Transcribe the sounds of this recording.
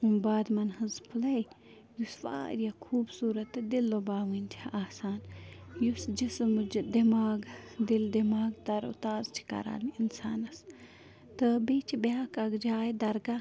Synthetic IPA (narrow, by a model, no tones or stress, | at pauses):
unbaːd̪mɐnhɨzpʰulɐj | jusʋa̰ːɾjakʰuːbsuːɾɐt̪ɨd̪ilːobaːʋɨnʲt̪ʲʰiʔaːsaːnjusd͡ʒismd͡ʒd̪imaːɡd̪ild̪imaːɡt̪ɐɾṵt̪aːzt͡ʃʰi̥kɐ̰ɾa̰ːniinsa̰ːnɐs | t̪ɨbeːt͡ʃʰibjaːkɐɡd͡ʒaːjd̪ɐɾɡa